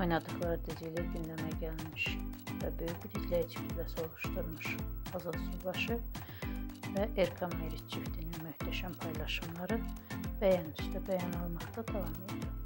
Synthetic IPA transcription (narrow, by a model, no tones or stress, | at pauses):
o̞jnɑd̪ɯɣlˠɑɾɯd̪izilæɟynd̪æmæɟælmiʃvæbø̞jyçbiɾicʰlæit͡ʃʰi̥p̪ʰlæso̞lˠuʃd̪uɾmuʃɑzɑlˠsubɑʃɯ | væʔeɾkʰomeɾit̪t͡ʃʰift̪ʰininmyhd̪æʃænpʰɑjlˠɑʃɯmlˠɑɾɯb̥æjɑnd̪y̥ʃt̪æbæjɑnolˠmɑχt̪ɑd̪ɑvɑmed̪ili